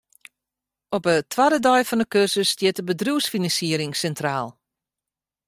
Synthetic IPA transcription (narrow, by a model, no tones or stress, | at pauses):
ɔpətʰʋadədɔjfɔndəkørsəstjɪtəbədruwsfinɑnsiəɾɪŋsɛntraːlˠ